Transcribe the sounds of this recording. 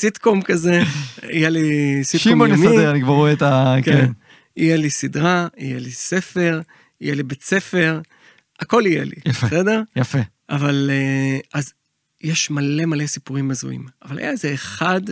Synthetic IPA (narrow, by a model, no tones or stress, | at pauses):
sit̪komkaze̞ḭjelisitʃkiomonemieʁanikvaʁoet̪aken | ijelisidʁaijelise̞fe̞ʁ | ijelibet͡se̞fe̞ʁ | ako̞lijḛlḭjafesed̪e̞ʁjafe | avaleaz | jeʃmale̞male̞sipuʁimazṵḭmavala̰jaezeːχad̪